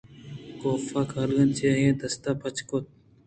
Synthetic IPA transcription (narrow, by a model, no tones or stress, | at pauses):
koːfaːkaːlɡɐnt͡ʃeɦẽːd̪ɐst̪aːpɐt͡ʃkot̪̚